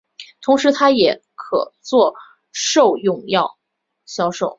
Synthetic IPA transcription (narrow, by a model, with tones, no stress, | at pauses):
t̪ʰʊ˧˥ŋʂɻ̩˧˥t̪ʰa˥jɛ˨˩˥ | kʰɤ̰˨˩t͡swɔ˥˧ | ʂo˥˧ʊjʊ˥˧ŋjɑ˥˩ʊ | ɕjɑ˥ʊʂo˥˩ʊ